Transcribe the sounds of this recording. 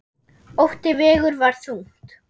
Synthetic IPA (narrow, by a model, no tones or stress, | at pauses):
owht̪ɪvɛːɣʏɾvaɾ̥θuŋ̥t̪